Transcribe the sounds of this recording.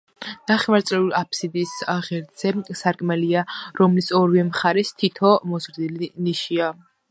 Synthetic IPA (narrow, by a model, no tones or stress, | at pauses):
d̪̥aχɛmaɾt̪sʼlɛulapʰsid̪isʁɛɾd̪z̥ɛsaɾkʼmɛliaɾɔmlisɔɾvɛmχaɾɛst̪ʰit̪ʰɔmɔzɾd̪iliniʃia